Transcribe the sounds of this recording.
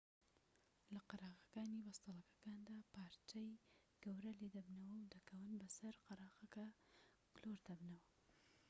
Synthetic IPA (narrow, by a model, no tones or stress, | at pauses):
lɐqɑɾaːɣɐkaːnibɐst̪ɑlˠɐkɐ̥kaːnd̪aːpʰaːɾt͡ʃɐj | ɡ̥ɐwɾɐleːd̪ɐbnɐwɐwd̪ɐkʰɐwɨnbɐsɐɾqɑɾɑːɣɐkɐ | ɡloɾd̪ɐbnɐwɐ